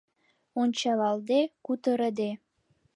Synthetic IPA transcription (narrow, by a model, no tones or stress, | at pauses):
onʲt͡ɕɑlɑld̪ekut̪ə̆ɾə̆d̪e